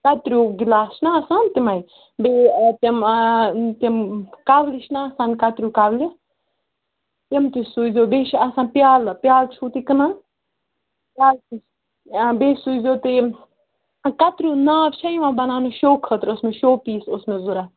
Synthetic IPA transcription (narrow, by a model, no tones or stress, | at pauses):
kɐt̪ɾʲuːɡilaːʃnaɐsãːnt̪imai | bet̪ɐm | t̪imkaʋliʃnaːsãːnkɐt̪ɾʲukaʋli | t̪imt̪isuzʲoːbeːʃʰɐsãːpʲjaːlpjaːlt͡ʃʰuːt̪ikɐnan | pjaːli | beːsuzʲoːt̪e | kɐt̪ɾʲuːnaːʋʃʰɐjiʋãːbɐnaːnoʃoːkʰːət̪ɾosmeʃoːpiːsosmẽzuɾa